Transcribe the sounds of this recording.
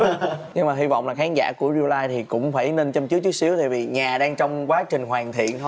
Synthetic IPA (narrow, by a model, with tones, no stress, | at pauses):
ɲɨ˧ŋmaː˨˩ɦi˧vɔ̰˧˨wŋ͡mlaː˨˩xaː˨˦nza̰ː˧˩ku˧˩əzi˧laː˧jt̪ʰi˨˩kʊ̰˧˥ŋ͡mfaː˧˩jne˧nt͡ɕə˧mt͡ɕi˨˦˥kt͡ɕɨ˨˦si˨˦əwt̪a̰ː˧˨jvi˨˩ɲaː˨˩ɗaː˧ŋt͡ɕɔ˧wŋ͡mkwaː˨˦t͡ɕï˨˩ŋ̟ɦwaː˨˩nt̪ʰḭ˧˨ənt̪ʰ